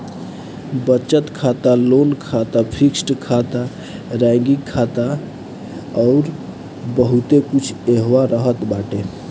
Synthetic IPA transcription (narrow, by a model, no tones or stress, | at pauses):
bət͡ʃət̪kʰat̪alonkʰat̪apʰiksʈkʰat̪a | ɾɛ̃ŋɡikʰːat̪a | ɔʊɾ | bəɦut̪ekut͡ʃʰeɦwaɾəɦət̪baʈe